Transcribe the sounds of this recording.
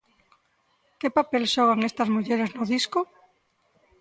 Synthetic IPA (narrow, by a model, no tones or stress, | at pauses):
kepapelʃɔɣ̞aŋest̪ɐzmuʎeɾeznoðisko